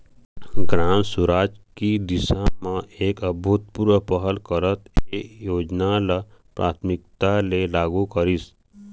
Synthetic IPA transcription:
ɡɾãːnsuɾaːd͡ʒkid̪ɪʃamãeːkəbʱut̪̚puɾʋəpəɦəlkəɾət̪eːjoːd͡ʒnalapɾa̰ːt̪ʰmɪkt̪alelaːɡukəɾis

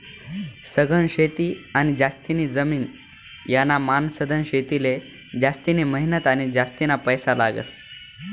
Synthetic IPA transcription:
səɡənɕet̪iːañid͡zast̪iniːd͡zəmiːn | janːamansəd̪ʱənɕet̪ile | d͡ʑast̪iniməɦinət̪añid͡ʑast̪inapəjsalaɡə̰s

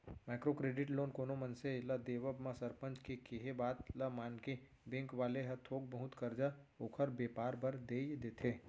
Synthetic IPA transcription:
maːkɾokɾeːɖɪʈloːnkoːnomɐnselɐd̪eːʋəbmãsɐɾpə̃nt͡ʃkekeɦebaːt̪lɐmaːnke | bẽːŋkʋaːleɦɐɾt̪ʰoːɡ̚bəɦʊt̪kɐɾd͡ʒa | oːkʰəɾbeːpaːɾbɐɾd̪eːjd̪eːt̪ʰeː

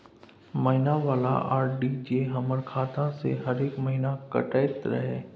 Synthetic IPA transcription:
mɐɦɪnaʋaːla̰ʔaːɾɖid͡ʒeɦɐməɾkʰaːt̪ãsḛɦɐɾeːkmɐɦinakɐ̰ʈaːjt̪ɾɐ̰ɦeː

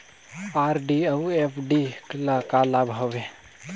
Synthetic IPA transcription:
aːɾɖiɐwepʰɖiklakaːlabʱɐʋe

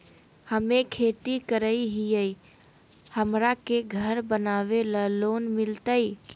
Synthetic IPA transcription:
həmekʰet̪ikəɾəiɦijəj | həmɾakeɡʱəɾbənaʋeləlonmilt̪əj

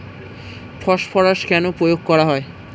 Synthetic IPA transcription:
fʰɔʃfʰɔɾaʃkɛnopɾojoɡ̚kɔɾaɦɔe

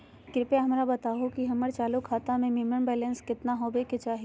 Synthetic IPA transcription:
kɪɾpeɦɐmɾabɐt̪aːɦokiɦɐməɾt͡ʃaːlukʰaːt̪ãmẽmɪməɳbɛːlə̃nskɪt̪naɦobekɪt͡ʃaːɦi

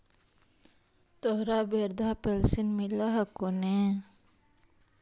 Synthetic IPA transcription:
t̪oɦɾaːbeːɾd̪aːpelsinmilaɦɐkoneː

